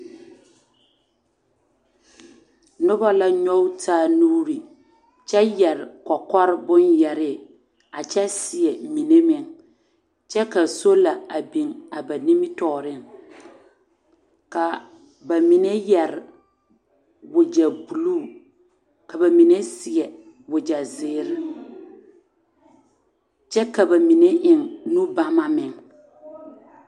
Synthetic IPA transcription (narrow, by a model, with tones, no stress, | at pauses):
nʊ˦ba˦la˦ɲɔ˦wtʰaː˦˨nuː˦ɾi˨ | t͡ʃɛ˦jɛ˨ɾɪ˨kɔ˨kɔ˦ɾɪ˦bʊ˦njɛ˨ɾɪ˦˨ | a˨t͡ʃɛ˦sɪ˨ɛ˨mi˨ne˦mɪ˨ŋ | t͡ʃɛ˦ka˨so˦la˨a˨bi˨ŋa˨ba˨ni˦mɪ˦tɔː˨ɾɪ˦ŋ | ka˨ | ba˨mi˨ne˦jɛ˨ɾɪ˨ | wʊ˨d͡ʒa˨bu˨luː˦˨ | ka˨ba˨mi˨ne˦sɪ˨ɛ˨ | wʊ˨d͡ʒa˨zɪː˨˦˨ɾɪ˦ | t͡ʃɛ˦ka˨ba˨mi˨ne˦ʔɪ˨ŋnu˦ba˦ma˦mɪ˨ŋ